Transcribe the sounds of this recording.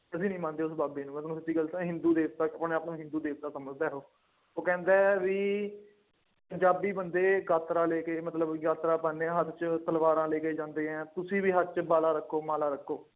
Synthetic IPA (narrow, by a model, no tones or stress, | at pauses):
kəs̬ĩːnĩːmãːnd̪eːʊsbaːbeːnũːɛ̃nũːsɪt̪ːiːɡəlɦɪ̃nd̪uːd̪eːkt̪aːpnẽːaːpnũːɦɪ̃nd̪uːd̪eːkt̪aːsəməd͡ʒd̪aːɦoː | oːkɛ̃ːnd̪aːʋiː | pəɲd͡ʒaːbiːbənd̪eːɡaːt̪ɾãːleːkeːmət̪ləbɡaːt̪ɾaːpəːnẽɦət̪t͡ʃt̪əlʋaːɾãːleːkeːd͡ʒãːnd̪eːɦɛ̃ːt̪ʊsĩːʋiːɦət̪̚t͡ʃbaːlaːɾəkʰːoːmaːlaːɾəkʰːoː